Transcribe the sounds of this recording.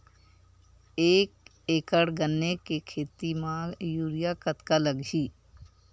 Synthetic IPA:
eːk̚ | eːkəɽɡənːekekʰeːt̪imãːjuːɾɪjakət̪kaləɡd͡ʒiː

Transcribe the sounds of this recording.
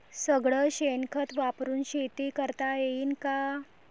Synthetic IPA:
səɡɭəɕenkʰət̪ʋapɾuːnɕet̪iːkəɾt̪ajeiːnka

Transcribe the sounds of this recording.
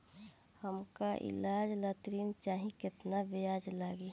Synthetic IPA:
həmkaʔɪ̰laːd͡ʒlət̪ɾiːnt͡ʃaːɦĩkɪt̪nabejaːd͡ʒlaːɡiː

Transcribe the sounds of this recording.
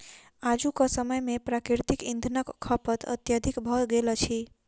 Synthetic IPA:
ad͡ʒukəsəməjmepɾakɾiɾt̪ikḭ̃nd̪ʱnəkːʰəpət̪ə̰t̪jəd̪ʱikbʱəɡelət͡ʃʰi

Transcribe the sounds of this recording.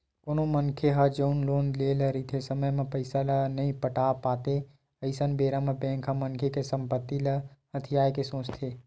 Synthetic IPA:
koːnomənkʰeɦad͡ʒənloːnleːləɾit̪ʰesəməjmẽpəɪsalɐnɐĩpəʈaːpaːt̪e | əɪsənbeːɾamẽbɛ̃ːŋkʰɦamənkʰekesə̃mpət̪ːilɐɦət̪ʰɪjaːjkesõːt͡ʃt̪ʰeː

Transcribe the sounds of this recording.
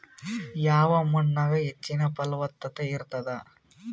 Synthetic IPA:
jaːʋɐmʊnːɐɣɐɛt͡ʃːɪnɐpɐlʋɐt̪ːɐt̪ːɐɪɾɯt̪ːɐðaː

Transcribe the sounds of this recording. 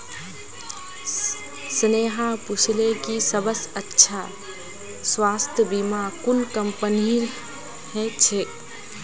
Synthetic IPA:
sneːɦãput͡ʃʰlekisəbəsətːʃʰa | swaːst̪ʰjəbimakunkəmpəni | hɛt͡ʃʰe

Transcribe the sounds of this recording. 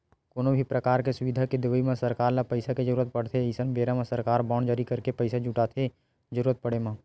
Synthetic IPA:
koːnobʱipɾəkaːɾkesʊʋɪd̪ʱaked̪ɪʋəimãsɐɾkaːɾnapɐɪsaked͡ʒəɾuːɾət̪̚pəɽ̤t̪ʰeɪsənbeːɾamãsɐɾkaːɾbɔːɳd͡ʒaːɾikɐɾkepəɪsad͡ʒuʈaːt̪ʰe | d͡ʒəɾuːɾət̪̚pəɽemã

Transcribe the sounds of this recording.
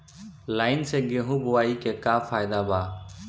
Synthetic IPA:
lajnsɛɡeɦũbɔwaikɛkapʰajd̪aba

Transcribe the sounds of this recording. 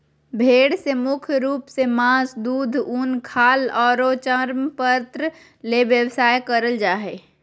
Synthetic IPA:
bʱeːɽsemʊkʰjɾuːpsemãːsd̪uːd̪ʱuːnkʰaːlɔːɾot͡ʃəɾmpəɾt̪ɾə | leʋjəwsaːjkəɾəld͡ʒaːɦeː

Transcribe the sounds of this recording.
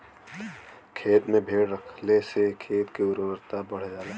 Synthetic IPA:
kʰeːt̪mẽbʱeːɽɾəkʰlesekʰeːt̪kiʊɾwəɾt̪abəɽ̤d͡ʒaːla

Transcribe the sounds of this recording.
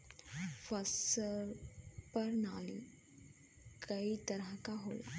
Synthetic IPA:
fasəɾpəɾnal | kəit̪əɾãkaɦola̰

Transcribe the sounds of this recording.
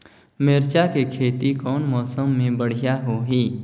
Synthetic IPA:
meːɾt͡ʃakekʰeːt̪ikɔːnmɔːsəmːẽbəɽ̤ijaɦoɦiː

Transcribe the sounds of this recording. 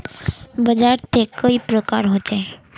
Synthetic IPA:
bəd͡ʒaɾt̪ʰekəipɾəkaɾɦot͡ʃe

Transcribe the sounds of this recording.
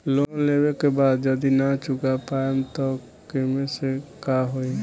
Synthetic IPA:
lonlebekebaːd̪d͡ʒəd̪inat͡ʃʊɡapaemt̪ɔ | kemesekaɦoi

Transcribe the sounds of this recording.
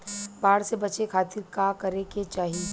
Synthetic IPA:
baːɽsebɐt͡ʃekʰaːt̪ɪɾkakɐɾeket͡ʃaːɦie

